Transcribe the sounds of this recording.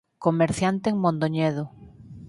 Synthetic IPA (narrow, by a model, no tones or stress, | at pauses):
komeɾθjant̪eːŋmõnd̪oɲeðo